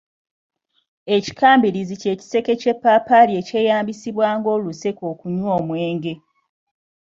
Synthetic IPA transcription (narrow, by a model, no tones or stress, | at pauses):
e̞ci̥kʰaːmbiɾizice̞ːci̥se̞ke̞ce̞pːaːpalie̞ce̞ːjaːmbisiβwaːŋɡo̞ːluse̞ko̞ːkuɲwoːmweːŋɡe̞